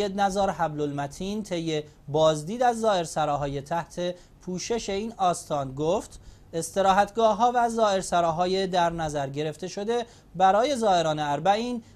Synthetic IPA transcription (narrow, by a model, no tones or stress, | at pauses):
ed̪̚næzɒːɾɦæblolmæt̪ʰiːnt̪ʰe̞jːe | bɒːzd̪iːd̪æzːɒːʔe̞ɾsæɾɒːɦɒːjet̪ʰæht̪ʰe̞ | pʰuːʃe̞ʃe̞iːnɒːst̪ʰɒːnɡoft̪ | e̞st̪e̞ɾɒːɦæt̪ʰɡɒːɦɒːvæzɒːe̞ɾsæɾɒːɦɒːjed̪æɾnæzæɾɟe̞ɾe̞ft̪e̞ʃo̞d̪e̞ | bæɾɒːje̞zɒːe̞ɾɒːne̞æɾbæiːn